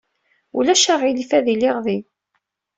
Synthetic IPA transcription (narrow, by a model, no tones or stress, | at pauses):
ulæʃaʁilifæðilɪʁði